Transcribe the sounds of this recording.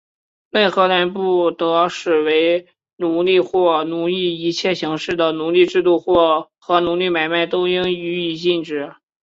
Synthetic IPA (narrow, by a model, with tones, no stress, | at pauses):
me˥˩ɪxɤ˧˥la˧˥npu˥˩t̪ɤ˧˥ʂɻ̩˨˩we˧˥ɪ | nu˧˥li˥˧xwɔ˥˩nu˧˥li˥˩i˧˥t͡ɕʰjɛ˥˩ɕi˧˥ŋʂɻ̩˥˩d̪ə˩nu˧˥li˥˧ʈ͡ʂɻ̩˥˧t̪u˥˧xwɔ˥˩ | xɤ˧˥nu˧˥li˥˩ma˨˩ɪma˥˩ɪt̪o˥ʊi˥ŋy˧˥i˨˩t͡ɕi˥˧nʈ͡ʂɻ̩˨˩